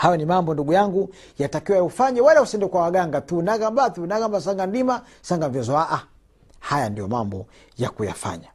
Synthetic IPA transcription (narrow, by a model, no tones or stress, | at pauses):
hajɔnimambɔnduɡujaŋɡu | jatakiwaufaɲɛwalɛusɛndɛkwawaɡaŋɡatunaɣambaθunaɣambas̬aŋɡandima | saŋɡam̩vjɔzɔaʔa | hajandijɔmambɔ | ja̰kuja̰fa̰ɲa